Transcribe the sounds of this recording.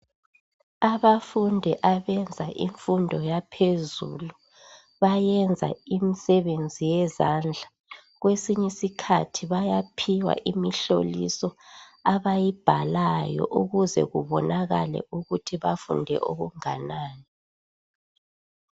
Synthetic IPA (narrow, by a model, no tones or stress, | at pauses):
aβafundʱɛʔaβɛnd͡zʱaʔiɱfundʱɔjapʰezṵlu | βajɛnd͡zʱa̰imisɛβend͡zʱijɛzand͡ɮʱa | ɣwesiɲisikʰatʰiβajapʰiwa̰ʔimiɬo̰lḭsɔaβajib̥ʱalajɔ̰ʔuɣuzɛ̰ɣuβɔnaɣalɛ̰ʔuɣutʰiβafṵndʱɛ̰ʔoɣuŋanaːni